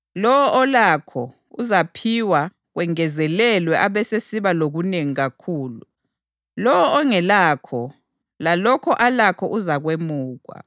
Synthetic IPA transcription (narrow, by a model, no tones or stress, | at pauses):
lɔwɔʔɔlakʰɔ̰ | uzapʰiwa | ɣwɛŋɛzɛlɛlwɛʔaβɛsesiβaloɣuneŋiɣakʰuːlu | lɔwɔːŋɛlakʰɔ | lalɔkʰɔʔalakʰɔʔuzaɣwemuːɣwa̰